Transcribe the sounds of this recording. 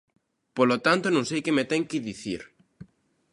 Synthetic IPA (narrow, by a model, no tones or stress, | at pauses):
polot̪ant̪onõŋsejkemet̪ɛŋkiðiθiɾ